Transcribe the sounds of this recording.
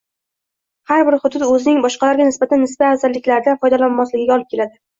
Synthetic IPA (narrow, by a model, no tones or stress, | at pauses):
haɾbɪɾhʊd̪ʊd̪ɵzɪnɪŋbɒʃqɑlaɾɡʲanɪsbat̪ʰanːɪsbaːzalːɪkʲlaɾd̪anfɒjd̪alanmaslɪɡʲɪɡʲaɒlˠɪp̚kʲelad̪ɪ